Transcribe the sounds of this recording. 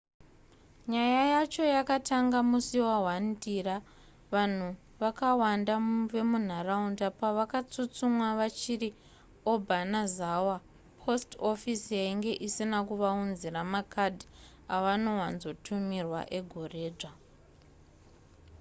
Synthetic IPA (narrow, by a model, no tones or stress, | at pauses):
ɲajajat͡ʃo̞jakataŋɡamusiwaɦwandira | ʋan̤u | ʋakawandaʋe̞mun̤araundapaʋakat͡sut͡sumwaʋat͡ʃiɾi | o̞bʱanazawa | pʰo̞sto̞fisijaiŋɡe̞ʔisinakuʋaunziɾamakʰadʱi | aʋano̞ɦwanzo̞tʰumirwa̰ʔe̞ɡʱo̞re̞ːd͡ʐa